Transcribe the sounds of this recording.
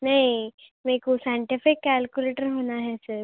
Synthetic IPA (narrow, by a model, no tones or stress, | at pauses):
nai | mekusaɳʈifikːælkjuleʈəɾɦonaɦɛsəɾ